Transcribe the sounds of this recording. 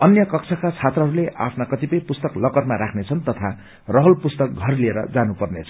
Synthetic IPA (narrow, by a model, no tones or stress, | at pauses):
ʌnjʌkʌkt͡sʰakat͡sʰat̪rʌɦʌɾuleʔa̰pʰnakʌt̪ipʌjpust̪ʌklʌkʌrmaɾakʰnet͡sʰʌnt̪ʌt̪ʰa | rʌɦʌlpust̪ʌk̚ɡʱʌrlieɾʌ̰d͡zanupʌrnet͡sʰʌ̥